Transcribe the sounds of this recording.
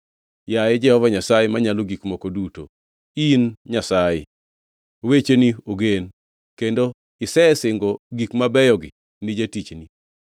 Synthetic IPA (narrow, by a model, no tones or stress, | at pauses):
jajɪd͡ʒɛhɔvaɲasajemaɲaloɡikmokoduto̰ | inɲasajɪ | wet͡ʃenioɡen | kendo | ɪsɛsɪŋɡoɡikmabɛjɔɡɪ̰ | nɪd͡ʒatit͡ʃni